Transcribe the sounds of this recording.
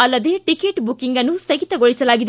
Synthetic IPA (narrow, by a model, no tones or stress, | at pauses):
ɐlːɐd̪eʈikeːʈbukiŋɡɐnːusɐɡit̪ɐɡoɭisɐlaːɡid̪